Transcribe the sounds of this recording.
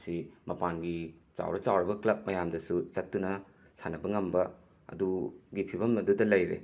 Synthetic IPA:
simɐpanɡit͡ʃa̰wɾɐt͡ʃawɾɐbɐklɐp̚mɐjamdɐsut͡ʃɐtːunɐ | sanɐbɐŋɐmbɐ | ɐ̰duɡipʰibɐmɐdudɐlɐjɾḛ

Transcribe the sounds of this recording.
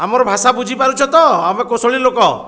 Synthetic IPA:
amɔɾɔbʱasabud͡ʒʱipaɾut͡ʃʰɔt̪ɔamekosoɭilokɔ

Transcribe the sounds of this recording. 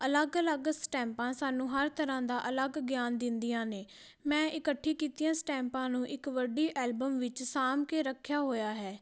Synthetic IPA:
ələɡələɡsʈɛ̃ːmpãːsaːnũːɦəɾt̪əɾãːd̪aːʔələɡɡjaːnd̪ɪnd̪ijãːneː | mɛ̃ːʔɪkəʈʰːiːkiːt̪ijãːsʈɛ̃ːmpãːnũːʔɪkʋəɖiːʔɛːlbəmʋɪt͡ʃsaːmkeːɾəkʰːjaːɦoːjaːɦɛː

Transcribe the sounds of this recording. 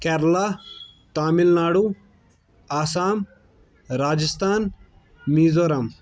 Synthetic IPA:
kɛɾla | t̪aːmilnaːɽu | aːsaːm | ɾaːd͡ʒɐst̪ʰaːn | miːzoːɾɐm

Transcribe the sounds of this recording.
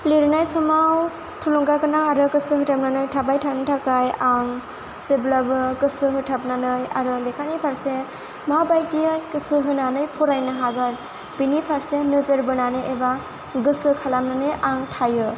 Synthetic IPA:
liɾnajsɔmaw | tʰuluŋɡakɯnaŋaɾɯkɯsɯɦɯtʰap̚nanɯjtʰabajtʰanɯtʰakajaŋ | seblabɯkɯsɯɦɯtʰap̚nanɯjaɾɯlekʰanipʰaɾse | mabajdijɯjkɯsɯɦɯnanɯjpʰɔɾajnɯɦaɡɯɾ | binipʰaɾsenɯzɯɾbɯnanɯjeba | ɡɯsɯkʰalamnanɯjʔaŋtʰajɯ

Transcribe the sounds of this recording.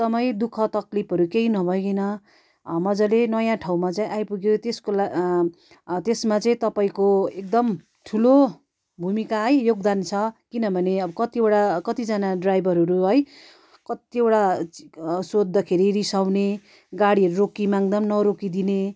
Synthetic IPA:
t̪ʌmaĩd̪ukʰʌt̪ʌklipʰɦʌɾukeinʌbʱʌjkʌjnʌ | mʌd͡zʌlenʌjãʈʰawmat͡saĩʔajpuɡet̪eskola | t̪esmat͡saĩt̪ʌpaĩkoek̚d̪ʌm | ʈʰulo | bʱumikaɦʌjjoɡd̪ant͡sʰʌkinʌbʱʌneʌbʌkʌt̪iewʈakʌt̪id͡zanaɖrajbʱʌɾʌɾuɦʌj | kʌt̪iewʈa | sod̪ːʌkʰeɾiɾisawne | ɡaɽiʌɾuɾokimaŋd̪ʌmnʌɾokid̪ine

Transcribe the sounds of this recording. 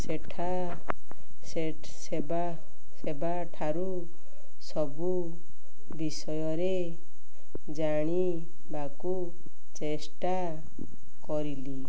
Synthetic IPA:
seʈʰa | se | seba | seba | ʈʰaɾu | sɔbu | bisʌjɔɾe | d͡zaɽ̃i | baku | t͡sesʈa | kɔɾili

